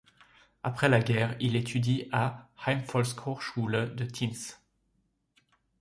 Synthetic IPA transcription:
apχɛlaɡʲɛʁilet̪ʰyd̪iahajnfɔlskʰɔʁʃuld̪ət̪ʰins

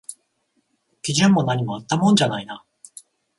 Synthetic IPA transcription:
kʲiʑɨ̃mːo̞naɲ̟imo̞at̪ːamõ̞ɲd͡ʑanaina

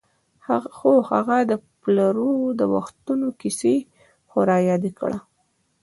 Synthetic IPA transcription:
xohaɣad̪əplaɾod̪əwa̰xt̪unokise | xʊɾɑjɑd̪ikɽa

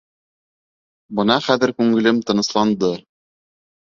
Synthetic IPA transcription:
bɤ̆nɑχæðɘ̆ɾkʉŋɘ̆lɘmt̪ɤ̆nɤ̆slˠɑnd̪ɤ

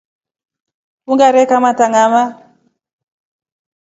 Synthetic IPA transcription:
kuŋɡaɾɛkamataŋama

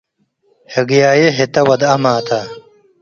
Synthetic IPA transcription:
hɐɡjaːjeɦet̪ɐwɐd̪ɐmaːt̪ʰa

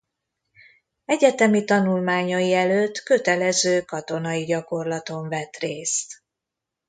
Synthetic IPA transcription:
ɛɟɛt̪ɛmit̪ɒnulmaːɲojiɛløːt̪ːkø̞t̪ɛlɛzøːkɒt̪o̞nɒjiɟɒko̞rlɒt̪o̞ɱvɛt̪reːst̪

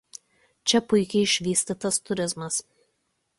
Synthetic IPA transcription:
t͡ʃʲɛpʊɪkʲɛɪɪʃʲʋʲiːsʲt̪ʲɪt̪ɐst̪ʊɾʲɪzmɐs

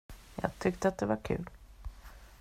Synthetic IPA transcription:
jɑ̰ːɡ̚t̪ʰʏkt̪əat̪̚d̪ɛvaɾkʰʉ̟̰ːl

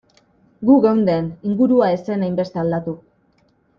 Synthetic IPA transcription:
ɡuɣawnd̪e̞niŋɡuɾuae̞se̞najmbe̞st̪eald̪at̪u

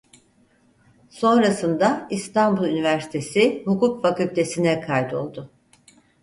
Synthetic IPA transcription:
so̞nɾasɯnd̪aist̪ʰanbulˠynivæɾsi̥t̪ʰe̞sɪhukukfacylʲt̪ʰe̞sinɛkʰajd̪o̞̰lˠd̪ʊ

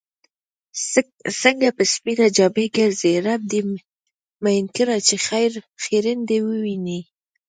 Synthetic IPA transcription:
səŋɡapəspinad͡ʒɑbeɡəɾzeɾab̚d̪e | majnkəɾɑt͡ʃexajɾxeɾɪnd̪ewəwini

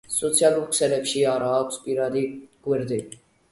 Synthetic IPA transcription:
sɔt̪sʰijalulkʰsɛlɛpʃiaɾaːkʼspʼiɾad̪iɡ̥wɛɾd̪i

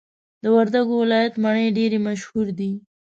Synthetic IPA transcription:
d̪əwaɾd̪aɡowɪlɑjat̪maɳəjɖeɾemaʃhuɾd̪i

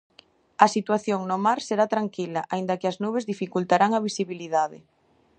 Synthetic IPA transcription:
ɐsit̪waθjoŋnomaɾseɾat̪ɾaŋkilaʔaĩnd̪ɐkeɪaznuβ̞ezðifikult̪aɾaŋaβ̞isiβiliðaðḛ

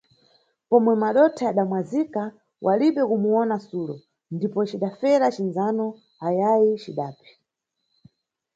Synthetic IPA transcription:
pɔmwɛmaɗɔtʰaaɗamwazika | wʔaliɓɛkumuɔnasulɔ̰ | ndipɔt͡ʃiɗafɛɾat͡ʃinzanɔ | ajajit͡ʃiɗaːpi̥

